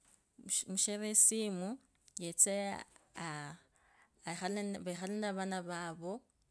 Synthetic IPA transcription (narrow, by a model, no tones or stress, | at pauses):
muʃeβesimu | jet͡sea | xalβaxalenaβanaβaβo